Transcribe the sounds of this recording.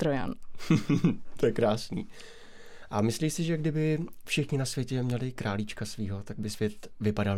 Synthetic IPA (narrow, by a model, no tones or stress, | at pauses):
t̪ɾoja̰n | t̪ʰojɛkɾaːsnḭː | ʔamɪsliːsɪʒɛɡdɪbɪfʃɪxɲɪnasvjɛcɛmɲɛlɪkɾʔaːlit͡ʃkasviːɦo̞t̪aɡ̚bɪsvjɛt̪vɪpadal